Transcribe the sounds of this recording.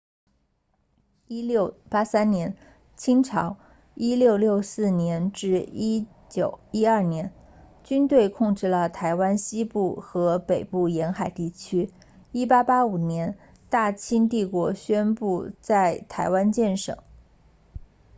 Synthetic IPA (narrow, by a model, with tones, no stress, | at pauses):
i˥ljo˥˩ʊpa˥sa˥nnjɛ˧˥n | t͡ɕʰi˥ŋʈ͡ʂʰɑ˧˥ʊ | i˥ljo˥˧ʊljo˥˧ʊsɹ̩˥˩njɛ˧˥nʈ͡ʂɻ̩˥˧i˥ | t͡ɕjo˨˩ʊi˥ɐ˞˥˩njɛ˧˥n | t͡ɕy˥nt̪we˥˧ɪkʰʊ˥˧ŋʈ͡ʂɻ̩˥˩lə˩t̪ʰa˧˥ɪwa˥nɕi˥pu˥˩xɤ˧˥pe˨˩ɪpu˥˩jɛ˧˥nxa˨˩ɪt̪i˥˩t͡ɕʰy˥ | i˥pa˥pa˥u˨˩njɛ˧˥n | t̪a˥˩t͡ɕʰi˥nt̪̬i˥˩kwɔ˧˥ɕɥɛ˥npu˥˧t͡sa˥˩ɪt̪ʰa˧˥ɪwa˥nt͡ɕjɛ˥˩nʂɤ̰˨˩˦ŋ